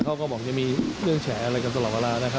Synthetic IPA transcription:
kʰa˥˩wkɔː˥˩bɔː˨˩˦kt͡ɕa˨˩miː˧ɾɯ˥˩əŋt͡ɕʰɛː˩˦˥ʔa˧ɾa˧jka˧t̪̬a˧lɔː˨˩t̪̚weː˧laː˧na˦˥kʰa˦˥

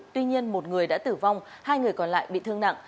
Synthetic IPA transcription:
t̪wi˧ɲi˧ənmo˨˩t̚ŋɨ˨˩əjɗa̰ː˧˥t̪ɨ˧˩va˧wŋ͡m | haː˧jŋɨ˨˩əjkɔ˨˩nla̰ː˧˨jɓḭ˧˨t̪ɨ˧əŋna̰˧˨ŋ

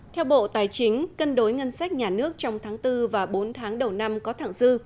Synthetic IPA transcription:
t̪ʰɛ˧wɓo̰˧˨t̪aː˨˩jt͡ɕï˨˦ŋ̟kə˧nɗo˨˦jŋə˧nsa˦˥jk̟̚ɲaː˨˩nɨ˦˥ək̚t͡ɕɔ˧wŋ͡mt̪ʰaː˨˦ŋt̪ɨ˧vaː˨˩ɓo˨˦nt̪ʰaː˨˦ŋɗə˨˩wna˧mkɔ˨˦t̪ʰa̰ː˧˨ŋzɨ˧

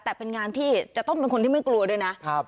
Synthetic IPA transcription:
t̪ɛː˨˩pe˧nŋaː˧nt̪ʰiː˥˩t͡ɕa˨˩t̪ɔ˥˩ŋpe˧nkʰo˧nt̪ʰiː˥˩ma˥˩jklu˧ɐ˧du˥˩jna˦˥ʔkʰa˦˥p̚

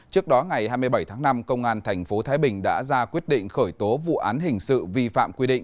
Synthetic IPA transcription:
t͡ɕɨ˦˥ək̚ɗɔ˨˦ŋa˨˩jhaː˧jmɨ˧əjɓə˧˩jt̪ʰaː˨˦ŋna˧mkə˧wŋ͡mʔaː˧nt̪ʰɛ˨˩jŋ̟fo˨˦t̪ʰaː˨˦jɓï˨˩ŋ̟ɗa̰ː˧˥zaː˧kwi˦˥əɗḭ̈˧˨ŋ̟xəː˧˩jt̪o˨˦vṵ˧˨ʔaː˨˦nɦï˨˩ŋ̟sɨ̰˧˨vi˧fa̰ː˧˨mkwi˧ɗḭ̈˧˨ŋ̟

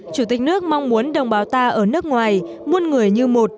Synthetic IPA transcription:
t͡ɕu˧˩t̪i˨˩k̟nɨ˦˥ək̚ma˧wŋ͡mmu˨˦ənɗə˧˩wŋ͡mɓaː˨˦wt̪aː˧ʔəː˧˩nɨ˦˥ək̚ŋwaː˨˩j | mu˧ənŋɨ˨˩əjɲɨ˧mo˨˩t̚

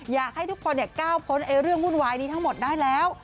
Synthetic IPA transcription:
jaː˨˩k̚ha˧˩jt̪ʰu˦˥k̚fɔː˧nɛ˨˩kaː˧˩wpʰo˨˦nʔa˨˩ɾɨ˧əŋːu˧ənwaː˨˩jɗi˧t̪ʰaː˨˧˥ŋmo˨˩t̪̚naː˧˥˩jlɛː˨˦w

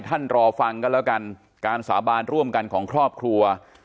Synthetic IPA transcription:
t̪ʰa˥˩nɾɔː˧fa˧ŋka˧˥˨lɛː˦˥˩wka˧n | kaː˧nsaː˩˦baː˧nɾu˥˩əmka˧nkʰɔː˩˦ŋkʰɾɔː˥˩p̚kʰɾu˧ɐ

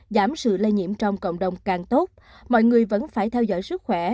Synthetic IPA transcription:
zaː˨˦msɨ̰˧˨lə˧jɲḭ˧˨əmt͡ɕɔ˧wŋ͡mkə̰˧˨wŋ͡mɗə˨˩wŋ͡mkaː˨˩ŋt̪o˦˥t̚ | mɔ̰˧˨jŋɨ˨˩əjvə̰˧˥nfaː˧˩jt̪ʰɛ˧wzɔ̰˧˥˨jsɨ˦˥k̚xwɛ˧˩

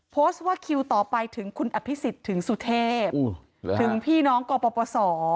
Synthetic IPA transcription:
pʰoː˦˥st̪̚waː˥˩kʰi˧wt̪ɔː˨˩pa˧jt̪ʰɯ˩˦ŋkʰu˧nʔa˧˩pʰi˦˥si˨˩t̪ʰːɯ˩˦ŋsu˨˩t̪ʰeː˥˩p | t̪ʰɯ˩˦ŋpʰiː˥˩nɔː˦˥ŋkɔː˧pɔː˧pɔː˧sɔː˩˦

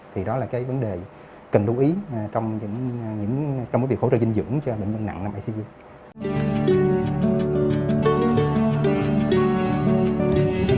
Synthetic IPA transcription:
t̪ʰi˨˩ɗɔ˨˦laː˨˩kaː˨˦jvə˨˦nɗe˨˩ | kə˨˩nɗu˨˧˦ʔi˨˦˩t͡ɕɔ˧wŋ͡mɲɨ̰˧˥ŋɲɨ̰˧˥ŋt͡ɕŋ͡mmː˨˦vi˨˩kho˧˥ə̰ː˧˨˩t͡ɕi˧ŋ̟zɨ̰˧˥əŋt͡ɕɔ˧ɓḛ˧˨ɲzə˧nːa̰˧˨ŋnaː˧mʔaː˧si˧ʔi˧

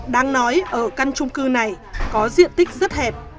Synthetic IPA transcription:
ɗaː˧ŋnɔ˨˦jʔəː˧˩ka˧nt͡ɕʊ˧ŋ͡mkɨ˧na˨˩j | kɔ˨˦zḭ˧˨ənt̪ï˦˥k̟̚zə˦˥t̚hɛ˨˩p̚

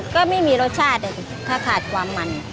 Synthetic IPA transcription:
kɔː˥˩ma˥˩jmiː˧ɾo˦˥t̪̚t͡ɕʰaː˥˩t̪̚na˧˩ | t̪ʰaː˥˩kʰaː˨˩t̪̚kʰwaː˧mːa˧n

